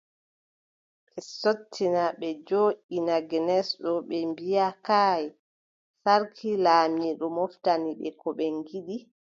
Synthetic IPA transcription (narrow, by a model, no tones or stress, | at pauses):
ɓɛsotʰːinaɓɛd͡ʒoːʔinaɡɛnɛsɗɔɓɛmbijakaːj | saɾkʰilaːmiɗɔmɔftaniɓɛ̰kɔɓɛŋɡiɗi